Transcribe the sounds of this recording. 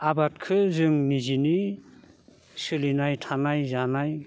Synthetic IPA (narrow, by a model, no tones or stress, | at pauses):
abat̚kʰɯzɯŋnizini | sɯlinajtʰanajzanaj